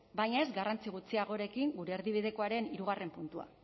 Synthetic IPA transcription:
bajɲae̞zɡarant͡siɣut͡siaɣo̞ɾe̞kiŋɡuɾe̞ːɾðiβ̞iðe̞ko̞aɾe̞niɾuɣ̞are̞mpunt̪ua̰

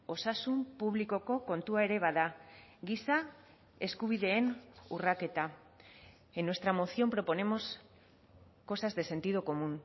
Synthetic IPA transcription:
o̞sasumpuβliko̞ko̞ko̞nt̪uae̞ɾe̞β̞aðaɡisa | e̞skuβ̞iðe̞ːnurake̞t̪a | enːwe̞st̪ɾamo̞θio̞mpɾo̞po̞ne̞mo̞s | ko̞sazðe̞se̞nt̪iðoko̞mun

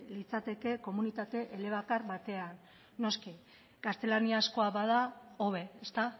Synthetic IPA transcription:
lit͡sat̪e̞ke̞ko̞munit̪at̪e̞ʔele̞β̞akarβat̪e̞anː | o̞ski | kast̪e̞laniasko̞aβað̞ao̞βe̞est̪a

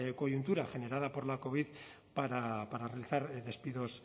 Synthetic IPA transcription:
ko̞junt̪uɾaʝe̞ne̞ɾaðapo̞ɾlako̞βið | paɾapaɾarelt͡saɾðe̞spiðos

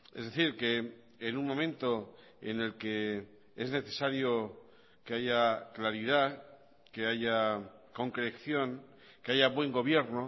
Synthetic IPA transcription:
e̞̰zðe̞θiɾke̞ː | nunmo̞mẽ̞nt̪o̞ | ḛne̞lke | e̞zne̞θe̞saɾjo | ke̞aʝaklaɾið̞a | ke̞aʝako̞ŋkɾekθjo̞ŋ | keaʝaβwe̞ŋɡo̞βje̞ɾno

